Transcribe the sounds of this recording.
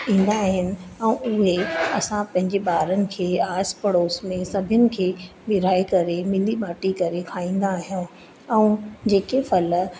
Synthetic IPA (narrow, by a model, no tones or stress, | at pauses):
ĩːn̆d̪aɦɪnɪ̆ɛ̃ũʊɦeɐsãpɐ̃ɦɪ̃ɲd͡ʑeɓaːɾənɪ̆kʰeːaːspɐɽoːsmẽsɐbʱɪjənɪ̆kʰeː | ʋɪɾaːikɐɾemɪliɓaːʈikɐɾekʰaːĩːn̆d̪aːɦijõ | ɛ̃ːd͡ʑeːkefɐl